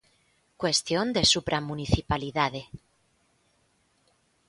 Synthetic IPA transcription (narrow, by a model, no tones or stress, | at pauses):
kwe̞st̪jond̪e̞supɾamuniθipaliðaðe